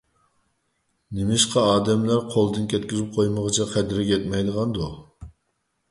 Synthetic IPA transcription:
nɪmɪʃqʰɑɑːd̪ɛmlæɾqʰolˠd̪ɨnkʲʰɛt̪kʲizɪp̚qʰojməʁət͡ʃʰɛqʰɛd̪ɾɪkʲʰɛt̪̚mɛjd̪əʁɑnd̪u

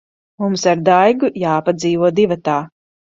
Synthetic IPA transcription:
mumsaɾd̪ajɡujaːpad̪ziːvuɔd̪ivat̪aː

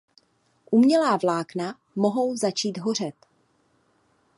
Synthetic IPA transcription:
ʔumɲɛlaːvlaːkna | mo̞ɦo̞wzat͡ʃiːd̪ɦo̞r̝ɛt̪

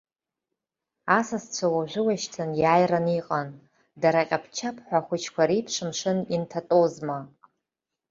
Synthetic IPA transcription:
asast͡ɕʷʰawaʒʷʊwaʃtʰanjaːjraniqʼan | daɾaqʲʼapʰt͡ʃʰapʰħʷaχʷʊt͡ʃʰkʷʰaɾipʰʂɨmʂɨnintʰatʼozma

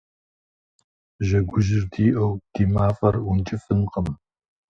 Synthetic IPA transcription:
ʒɐɡʷʊʒɪrdʰiːʔɐwd̥iːmaːfɐrwʊnt͡ʃʼɪfɨnqəm

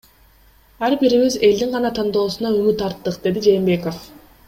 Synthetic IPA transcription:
ɑɾbiɾiβize̞ld̪iŋʁɑnɑt̪ʰɑnd̪o̞ːsunɑymyt̪ɑɾt̪ːɯqd̪e̞d̪id͡ʒe̞ːmbe̞ko̞f

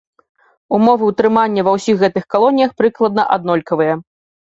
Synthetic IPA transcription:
umɔvɨwt̪ɾɨmanʲːɐvɐwsʲixːɛt̪ɨxkalˠɔnʲijɐxpɾɨklˠɐd̪nɐʔa̰d̪̚nɔlʲkɐvɨjɐ

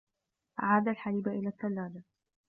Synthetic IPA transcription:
ʔa̰ʕaːd̪alħaliːbaʔɪlaːtːalːaːd̪a

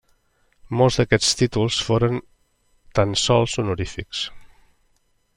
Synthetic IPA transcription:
molˠzd̪əkɛst̪it̪ulˠsfoɾən | t̪ansɔlˠsunuɾifiks

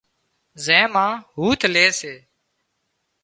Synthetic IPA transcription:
zɛ̃ːmãːɦuːt̪ʰleːseː

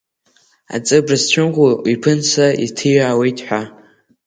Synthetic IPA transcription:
a̰t͡sʼɨbrɨst͡ɕʷʰʊnʁʷuipʰɨnsʰaitʰɨjaːwejtʼħʷᶣa

